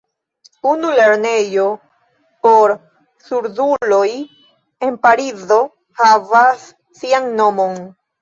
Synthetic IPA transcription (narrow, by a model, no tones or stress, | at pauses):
unule̞ɾne̞jo̞ | po̞ɾ | suɾdulo̞j | e̞npaɾizo̞ | havasː | ianːo̞mo̞n